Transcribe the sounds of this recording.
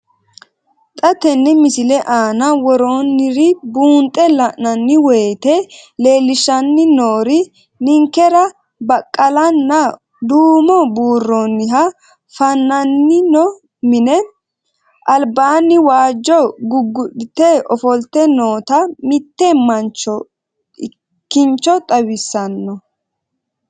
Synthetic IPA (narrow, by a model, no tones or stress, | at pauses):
t̪ʼɐt̪ɛnːɪmɪsɪlɛʔaːnɐwɔɾoːnːɪɾɪbuːnt̪ʼːɛlɐʔnːɐnːɪweːt̪ɛle̞ːlɪʃɐnːɪnoːɾɪ | nɪŋkːɛɾɐ | bɐkʼːɐlɐnːɐ | d̪uːmɔbuːrːoːnːɪɦɐ | fɐnːɐnːɪnɔ | mɪnɛ | ʔɐlbaːnːɪwaːd͡ʒːɔɡʊɡːʊɗɪt̪ɛɔfɔlt̪ːɛnoːt̪ɐmɪt̪ːɛmɐnt͡ʃːɔ | kːɪnt͡ʃːɔt̪ʼɐwɪsːɐnːɔ